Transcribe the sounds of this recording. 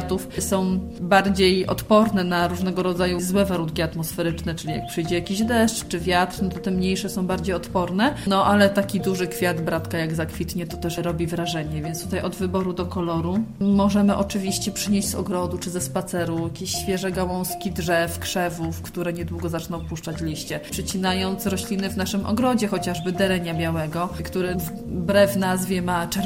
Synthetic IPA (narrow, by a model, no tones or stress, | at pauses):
t̪ufsɔ̃w̃ | baɾd͡ʑejɔ̰t̪pɔɾnɛnaɾuʐnɛɡɔɾɔd̪zajuzwɛvaɾunkʲiat̪mɔsfɛɾɘt͡ʂnɛt͡ʂɘlʲija̰k̚pʂɘjd͡ʑɛjakʲiʑd̪ɛʂt͡ʂt͡ʂɘvʲjat̪ɾnɔt̪ɔt̪ɛmɲejʂɛsɔ̃w̃baɾd͡ʑejɔt̪pɔɾnɛnɔʔalɛt̪akʲid̪uʐɘkfʲjad̪bɾat̪kajaɡzakfʲit̪ɲɛt̪ɔt̪ɛʂɾɔbʲivɾaʐɛɲɛvʲjɛnst̪ut̪ajʔɔd̪vɘbɔɾud̪ɔkɔlɔɾumɔʐɛmɘʔɔt͡ʂɘvʲiɕt͡ɕɛpʂɘɲeʑd͡ʑʲzɔ̰ɡɾɔd̪ut͡ʂɘzɛspat̪sɛɾujakʲeɕɕfʲjɛʐɛɡawɔ̃w̃skʲidʐɛfkʂɛvufkt̪uɾɛɲɛd̪wuɡɔzat͡ʂnɔ̃w̃puʂt͡ʂat͡ɕlʲiɕt͡ɕɛpʂɛt͡ɕinajɔnt̪sɾɔɕlʲinɘvnaʂɘmʔɔ̰ɡɾɔd͡ʑɛxɔt͡ɕaʐbɘd̪ɛɾɛɲabʲjawɛɡɔkt̪uɾɛv | bɾɛvnazvʲjɛmat͡ʂɛɾ